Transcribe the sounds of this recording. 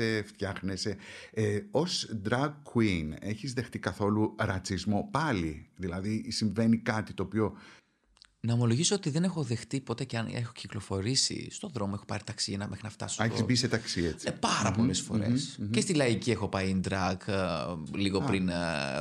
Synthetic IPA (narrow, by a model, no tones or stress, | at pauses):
eft̪çɐxneseeosd̪ɾɐɡkːwine̞çizðe̞xt̪ikɐθo̞luɾɐt͡sizmo̞pɐliðilɐðisiɱve̞nikɐt̪it̪o̞ːpio̞ | nɐomo̞lo̞ʝisoot̪iðe̞ne̞xo̞ðe̞xt̪ipo̞t̪e̞ceɐnexo̞ciklo̞fo̞ɾisḭst̪o̞ðɾo̞moexo̞pɐ̰ɾit̪ɐksiɐnɐmʔexɾinɐft̪ɐ̰seizbiset̪ɐksiet͡sipɐɾɐpo̞le̞sfo̞̰ɾḛscest̪ilɐicie̞xo̞pɐjnd̪ɾɐk | liɣo̞pɾin